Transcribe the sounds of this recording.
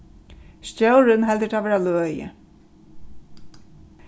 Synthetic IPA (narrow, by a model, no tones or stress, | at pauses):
st͡ɕowɾɪnɦɛlt̪ɪt̪ʰavɛːɾalœːjɪ̰